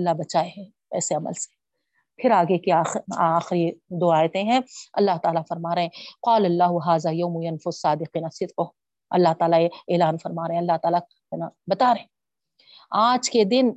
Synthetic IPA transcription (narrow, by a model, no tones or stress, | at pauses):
ɐlːabɐt͡ʃaːeɦɛ̃ | ɛ̰ːseɐmə̰lse̥ | pʰɪɾaːɡekiaːaːxɪɾid̪oːaːjt̪ẽɦɛ̃ɐ̰lːaɦt̪aːlafɐɾmaːɾɐɦɛ̃qaːlɐlːaːɦʊɦaːzaːjɐːmujɐnfʊsaːd̪ɪqiːnɐsɪt̪qʊ | ɐ̰lːaɦt̪aːlajeeːlaːnfɐɾmaːɾɐɦẽɐlːaɦt̪aːla | nabɐt̪aːɾɐɦɛ̃ | aːd͡ʒked̪ɪn